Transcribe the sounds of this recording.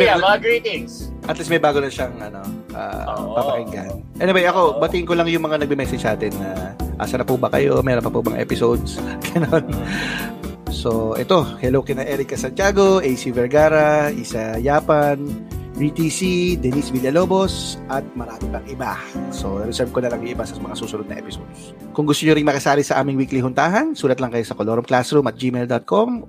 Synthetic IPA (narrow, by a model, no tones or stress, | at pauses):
ɐɐɡɹiːt̪ɪŋsʔɐt̪lismɐjbaːɡonɐʃaŋʔɐno̞ʔa̰pɐpɐkɪŋɡa̰nʔɛnɪwejʔɐko̞bɐt̪ɪɪŋkolɐŋjʊŋmɐŋanɐɡ̚bɪmɛsɛd͡ʒnaːt̪ɛnːɐʔa̰ːsɐnɐpubɐkɐ̰jo̞mɛːɾonpɐpubɐŋa̰ʔɛ̰pɪsowd̪sɡ̥ɐnon | so̞ʔɛ̰t̪o̞hɛlokɪnɐʔɛɾɪkɐsɐnt̪ɪaːɡo̞ʔɛjsivɛɹɡaːɾɐʔisɐjaːpanbit̪isid̪ɛnisbiljɐlo̞ːbo̞sʔɐt̪̚mɐɾaːmɪpɐŋʔɪbaso̞ɾɛsɛɹb̚konɐlɐŋjʊŋʔɪbasɐmɐŋasuːsʊnod̪̚ɐ̰ʔɛ̰pɪsod̪s | kʊŋɡʊst̪oɲoɾɪŋmɐkɐsaːɾɪsɐʔaːmɪŋwikliɦʊnt̪aːɦɐnsuːlɐt̪lɐŋkɐjo̞sɐkoloɾomklasɾumɐt̪̚d͡ʒimeld̪ot̪̚kʰom